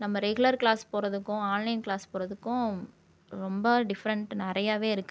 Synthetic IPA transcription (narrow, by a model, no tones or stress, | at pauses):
nɐmːɐɾɛɡɯlɐɾklaːspoːɾɐðɯkːʊ̃aːnlɐɪnklaːspoːɾɐðɯkːʊ̃ | ɾɔmbɐɖɪfɐɾɐɳʈnɪɾɐjaːʋeːɪɾɯkːɯ